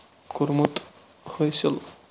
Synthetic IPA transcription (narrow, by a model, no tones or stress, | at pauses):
kuɾmut̪ | hojsʰil